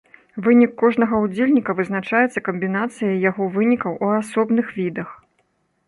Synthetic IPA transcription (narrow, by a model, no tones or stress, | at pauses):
vɨnʲikːɔʐnɐɣɐud͡zʲelʲnʲikɐvɨzn̪at͡ʂajɛt̪sːɐkɐmʲbʲin̪at̪sɨjɐjaɣɔvɨnʲikɐwʔuasɔbnɨxvʲid̪ɐx